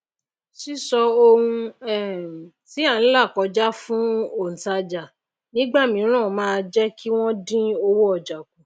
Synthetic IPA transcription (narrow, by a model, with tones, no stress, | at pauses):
ʃi˦sɔ˧o˧hũ˧ɛ˨ | ti˨˦a˦˨ñ̩˦la˦˨kɔ˨˧d͡ʒa˦fũ˦o˦˨n̩˨ta˧d͡ʒa˨ | nĩ˦ɡ͡ba˦˨mĩ˨˦ɾ̃ã˦˨mãː˦˧d͡ʒɛ˦kʰi˦w̃ɔ̃˦dĩ˦o˧wo˦ɔ˦˨d͡ʒa˨ku˨